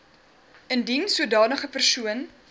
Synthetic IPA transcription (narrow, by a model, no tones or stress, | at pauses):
əndinsuədɑːnəχəpərsuən